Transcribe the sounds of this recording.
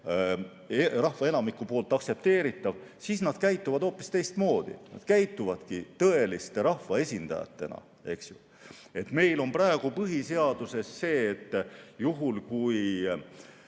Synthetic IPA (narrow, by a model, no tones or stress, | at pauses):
erɑhvɑe̞nɑmikːˑupo̞ːlt̪ːˑɑkse̞p̚t̪e̞ːɾit̪ːˑɑv̥siːsnɑd̪̥kæjt̪ːˑuvɑd̪o̞ːpːˑist̪e̞jst̪mo̞ːd̪̥ḭnɑ̰d̪̥kæjt̪ːˑuvɑd̪̥kit̪ɤe̞list̪e̞ɾɑhvɑe̞sʲind̪̥ɑ̰jɑ̰t̪ːe̞̰nɑ̰ | e̞ksju | e̞t̪me̞jlo̞nprɑeɡ̥upɤɦise̞ɑd̪̥use̞sːe̞ːt̪ːjuɦulkuj